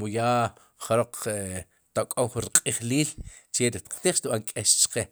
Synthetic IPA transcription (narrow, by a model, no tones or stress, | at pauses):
mujaː | χaɾoq͡χe | t̪okʼowχunɾiqʼiχliːlt͡ʃeɾit̪i̥qt̪iːχʃt̪uɓaŋkʼeʃt͡ʃqe